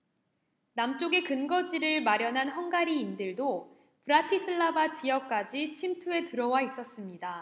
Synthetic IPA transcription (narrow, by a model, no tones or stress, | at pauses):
namt͡ɕ͈oɡe̞kɯnɡʌd͡ʑiɾɯɭmaɾjʌnɦanɦʌŋɡaɾiːndɯɭdo | pɯɾatʰisʰɯɭːabat͡ɕijʌk̚k͈ad͡ʑit͡ɕʰimtʰue̞tɯɾʌwais͈ʌs͈ɯmɲida